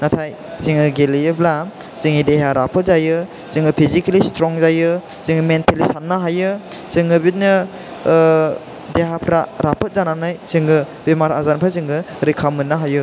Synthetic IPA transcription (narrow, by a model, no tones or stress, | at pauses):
natʰaj | ziŋɯɡeliɯbla | z̥ɯŋideɦaɾapʰɯt̚zajɯ | zɯŋɡɯpʰizikalistɾɔŋzajɯ | z̥ɯŋɯmentelisanːaɦajɯ | z̥ɯŋɡɯbit̚nɯ | deɦapʰɾaɾʔapʰɯt̚zananajz̥ɯŋɡɯ | bemaɾa̰zanpʰɾazɯŋɡɯ | ɾikʰamɯnːaɦajɯ